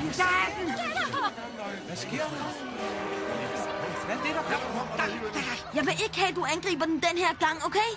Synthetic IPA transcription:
ʋæsɡ̥e̝ɐ̰d̥ | ɛd̥ed̥ɑkʰɒmɐɔ̥ | jɑ̈ɪʋe̝ʔe̝ɡ̥əhɛ̰ːd̥uænɡ̥ʁḭːb̥ɐd̥en̩d̥enheɐ̰ɡ̥ɑ̈ŋ̰oʊkʰe

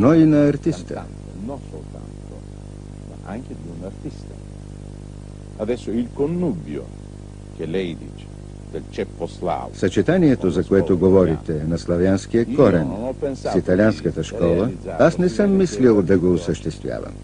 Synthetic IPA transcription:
noinɐːɾt̪ist̪ə̰ | nɔsolt̪a̰nt̪o | maʔaŋk̟ed̪iunart̪ist̪a | ad̪ɛsːoilkonːubjo̰ | k̟elɛjd̪it͡ʃ | d̪elt͡ʃɛpːosla̰vsɐt͡ʃɛt̪aniɛt̪ozɐkoɛt̪oɡovɔɾit̪ɛnɐslˠɐvjansk̟iəkɔɾɛnnɔpːenssit̪ɐlʲianskət̪əʃkkɔlˠəasnɛsəmːislilˠd̪ɐɡoːsəʃt̪ɛst̪vja̰vɐ̰m

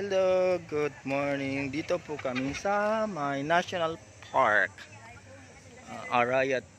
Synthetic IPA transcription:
ɛld̪oɡud̚mɔɹniŋd̪it̪opukaminsamajnaʃɔnal | pʰaɾk | a̰ɾajət̪̚

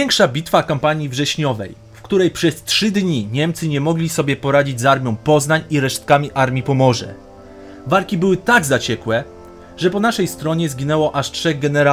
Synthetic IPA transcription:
ɛŋkʂabʲit̪fakampaɲivʐɛɕɲɔvɛj | fkt̪uɾɛjpʂɛstʂɘd̪ɲiɲɛmt̪sɘɲɛmɔɡlʲisɔbʲjɛpɔɾad͡ʑid͡ʑʲzaɾmʲjɔ̃w̃pɔznaɲiɾɛʂt̪̚kamʲiʔaɾmʲjipɔmɔʐɛ̰ | valkʲibɘwɘt̪aɡzat͡ɕɛkwɛ | ʐɛpɔnaʂɛjst̪ɾɔɲɛzɡʲinɛwɔʔaʂtʂɛɣɡɛnɛɾa

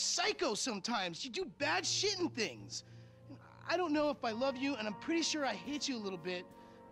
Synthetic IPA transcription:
saɪkoʊsʌ̃mtʰãɪ̃mzjɨdɨbæd̥ʃɪtn̩θɪ̃ŋz̥ | a̰ɪɾõʊ̃nːoʊəfaɪlʌvjɨɨ̃ñãɪ̃mpʰɹ̥ɪɾiʃʊɹaɪhɪt͡ʃɨəlɪɾl̩ˠbɪt̚

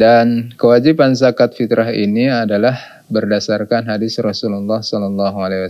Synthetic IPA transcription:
dankəwad͡ʒipansakat̪fit̪ɾaɦḭniadalah | bərdasarkanɦadɪsrɔsululːɑhsɔlɔlːɑɦualawa

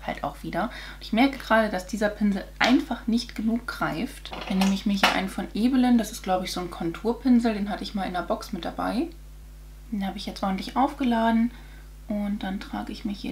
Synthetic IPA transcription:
ha̰ltʔa̰ʊxv̥iːdɐ | ʊntɪçmɛɐkəɡ̥əʁaːɾəd̥asd̥iːzɐpʰɪnzl̩ʔaɪnfaχnɪçtɡ̥ənuːk̚ɡ̥ʁaɪftd̥aneːməɪçmiɐhiɐʔa̰ɪnəfɔnʔeːbələnd̥asɪstɡ̥laʊbəɪçz̥oːnkʰɔntʰuːɐpʰɪnzl̩deːnɦatəɪçmaːlʔɪnɐbɔksmɪt̚d̥aba̰ɪ | d̥eːnhaːbəɪçjɛt͡stʔɔɐn̩tlɪçʔaʊfɡ̥əlaːdn̩ | ʔʊntd̥antʁ̥a̰ːɡəɪçmɪç

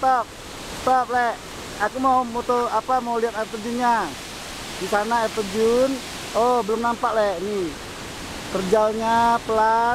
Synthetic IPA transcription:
t̪ɔp̚ | t̪ɔp̚lɛ | akumawmut̪oapamauliat̪̚ap̪əd͡ʒunɲa | disanaɛt̪əd͡ʒun | ɔbəlʊmnampaʔlɛʔni | k̪ərd͡ʒaɲapəla

